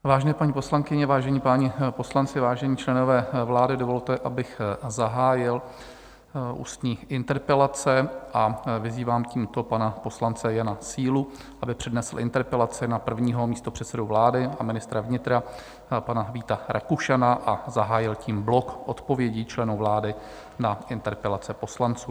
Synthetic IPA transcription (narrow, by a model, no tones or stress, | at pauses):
vaːʒɛnɛːpaɲiːpo̞slaŋkɪɲɛvaːʒɛɲiːpaːɲɛpo̞slant͡sɪvaːʒɛɲiːt͡ʃlɛno̞vɛːvlaːdɪdo̞vo̞lt̪ɛʔabɪxzaɦaːjɪl | ʔṵːst̪ɲiːʔɪnt̪ɛɾpɛlat͡sɛʔavɪziːvaːmciːmt̪o̞panapo̞slant͡sɛjanasiːlu | ʔabɪpr̥ɛdnɛsl̩ʔɪnt̪ɛɾpɛlat͡sɪnapr̩vɲiːɦo̞miːst̪o̞pr̝̥ɛt̪t͡sɛdovlaːdɪamɪnɪst̪ɾavɲɪt̪ɾa | panaviːt̪aɾakuʃanaʔazaɦaːjɪlciːmblo̞kʔo̞t̪po̞vjɛɟit͡ʃlɛnuvlaːdɪ | naʔɪnt̪ɛɾpɛlat͡sɛpo̞slant͡suː